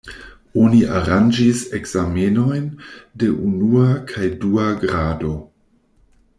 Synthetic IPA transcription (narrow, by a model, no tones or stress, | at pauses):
o̞niʔa̰ɾand͡ʒisekz̥ameno̞jnde̞ʔunuakʰajduaɡɾado̞